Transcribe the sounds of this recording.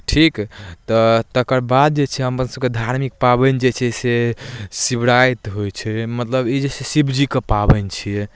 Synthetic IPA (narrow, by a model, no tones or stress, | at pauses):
ʈʰikt̪ɔt̪əkəɾbad̪̚d͡ʒet͡ʃʰɛɦəmpənsəb̚ked̪ʱaɾmik̚pabənd͡ʒet͡ʃʰɛsesibɽajt̪ɦojt͡ʃʰɛmət̪ləbid͡ʒesesibd͡ʒikepabənt͡ʃʰiɛ